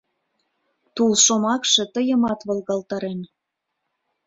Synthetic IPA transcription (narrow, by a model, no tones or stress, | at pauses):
t̪ulʃomɑkʃĕt̪əjə̆mɑt̪βɤ̆lɣɑlt̪ɑɾen